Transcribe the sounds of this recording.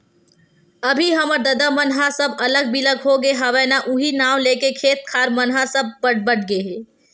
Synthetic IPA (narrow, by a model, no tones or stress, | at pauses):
ɐbʱiɦɐməɾd̪ɐd̪amɐnɦasɐbɐləɡ̚biləɡɦoɡeɦɐʋɛːnaʔʊɦinaːʋleːkekʰeːt̪̚kʰaːɾmɐnɦasɐb̚bəʈbɐʈ̚ʰɡeɦɛː